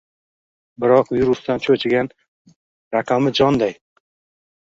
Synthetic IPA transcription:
bɪɾɒqviɾʊsd̪ant͡ʃʰɵt͡ʃʰɪɡʲan | ɾaqʰamɪd͡ʒɒnd̪aj

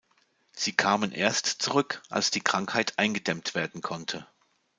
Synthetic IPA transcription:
z̥iːkʰaːmənʔeːɐstt͡suʁʏkʔa̰lsd̥iːkʁ̥aŋkhaɪtʔaɪnɡədɛmtv̥eːɐdn̩kʰɔntʰə

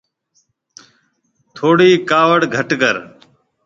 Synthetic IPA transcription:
t̪ʰoːɽiːkaːʋəɽɡʱəʈkəɾ

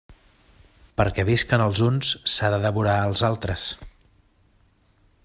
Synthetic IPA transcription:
pəɾkɛβeskənəlˠzunssaðəðəβuɾaəlˠzalˠt̪ɾəs

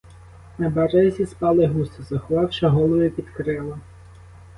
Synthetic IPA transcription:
nɐbɐɾɛzʲispɑlˠɪɦust̪ɔzɐxʊʋɑwʃɐɦɔlˠɔʋɪpʲid̪kɾɪlˠɐ

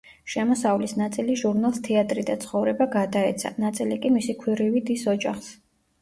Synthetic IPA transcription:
ʃɛmɔsavlisnat̪sʼiliʒuɾnalˠst̪ʰɛat̪ʼɾid̪at̪sʰχɔvɾɛbaɡad̪aɛt̪sʰa̰nat̪sʼilikʼimisikʰwiɾivid̪isɔd͡ʒaχs

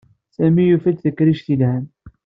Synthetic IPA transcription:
sæmijufæt͡s̪ðəkːɾiʃθilhæn

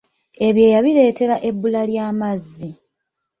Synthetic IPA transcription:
e̞βje̞ːjaβile̞ːte̞ɾaʔe̞bːulaljaːmazːi

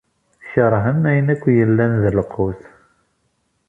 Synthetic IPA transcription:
çəɾˤɦənæjənækʷːjəlːænðələqʰuθ

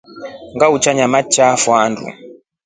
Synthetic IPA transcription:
ŋɡaut͡ʃaɲamat͡ʃafwandṵ

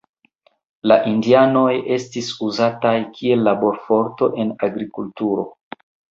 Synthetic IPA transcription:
laʔindiano̞je̞stisuzatajkʰie̞lːabo̞ɾfo̞ɾto̞ʔe̞naɡɾikultuɾo̞̰

